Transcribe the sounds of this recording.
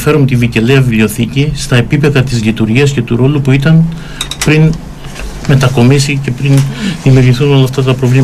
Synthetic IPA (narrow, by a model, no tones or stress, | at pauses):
fe̞ɾomt̪iviceleɐvivlio̞θicist̪ɐe̞pipe̞ðɐt̪izlit̪uɾʝiɐsce̞t̪uɾo̞lupuit̪ɐn | pɾin | me̞t̪ɐko̞misice̞pɾinðimiuɾʝiθuno̞lɐːft̪ɐt̪ɐpɾo̞vli